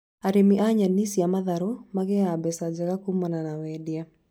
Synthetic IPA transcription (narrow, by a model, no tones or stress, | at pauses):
aɾɪmiʔaɲanisjamaðaɾomaɡɛabɛsad͡ʒakakumɔnanawɛdja